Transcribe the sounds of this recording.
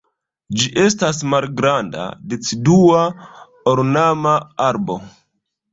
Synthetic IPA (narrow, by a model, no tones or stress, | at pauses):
d͡ʒiʔe̞stasmalɡɾanda̰det͡sidua | oɾnamaaɾbo̞